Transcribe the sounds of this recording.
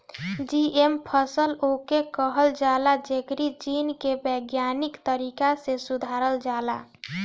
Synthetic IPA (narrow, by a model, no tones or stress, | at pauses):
d͡ʒiempʰəsəlokekəɦəld͡ʒalad͡ʒekɾid͡ʒinkebəɡjanikt̪əɾikasesud̪ʱaɾəld͡ʒala